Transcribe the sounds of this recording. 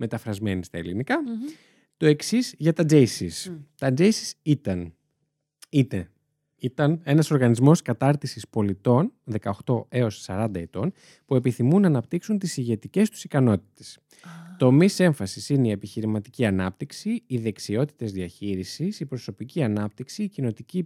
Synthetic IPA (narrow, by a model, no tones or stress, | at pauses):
me̞t̪ɐfɾɐzme̞nist̪ɐelinikɐ | t̪o̞e̞ksizʝɐt̪ɐd͡ʒesist̪ɐd͡ʒesi̥sit̪ɐn | it̪e | it̪ɐne̞nɐso̞ɾɣɐnizmo̞skɐt̪ɐɾt̪isispo̞lit̪o̞nðe̞kɐoxt̪o̞e̞o̞ssɐɾɐnd̪ɐe̞t̪o̞n | pue̞piθimunɐːnɐpt̪iksunt̪isiʝe̞t̪ice̞st̪u̥sikɐno̞t̪i̥t̪e̞̥s | t̪o̞mise̞ɱfɐsisineie̞piçiɾimɐt̪iciɐnɐp̚t̪iksiːðe̞ksio̞t̪i̥t̪e̞zðiɐçiɾisisipɾo̞so̞piciɐnɐp̚t̪iksiːcino̞t̪ici